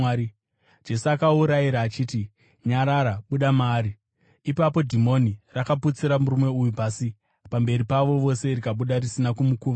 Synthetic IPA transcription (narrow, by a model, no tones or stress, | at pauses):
d͡ʒe̞suakauɾajiɾaːt͡ʃiːti | ɲaɾaɾaɓuɗamaːɾi | ipapo̞dʱimo̞nirakaput͡siɾamuɾume̞ujupasi | pambe̞ɾipaʋo̞ʋo̞se̞rikaɓuɗarisinakumukuːʋa